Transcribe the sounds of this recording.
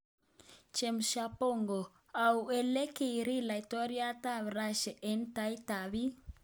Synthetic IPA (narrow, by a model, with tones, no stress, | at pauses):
t͡ʃɛ˨mʃa˨po˦˨ŋɡɔ˨ | a˨u˨ɛ˨le˦ki˨ɾi˦la˨i˨tɔ˦ɾi˦a˦ta˦βɾa˦ʃɛ˨ʔɛ˨nta˦i˦ta˨βi˦